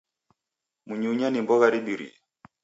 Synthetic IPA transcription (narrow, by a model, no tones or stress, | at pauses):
muɲuɲanimbɔɣaɾiɓiɾḭɛ